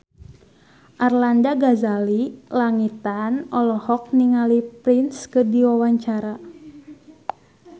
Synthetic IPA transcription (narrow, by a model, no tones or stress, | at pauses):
ʔarlandaɡazalilaŋit̪anɔlɔhɔk̚niŋalipɾinskɨdiwawaɲt͡ʃaɾa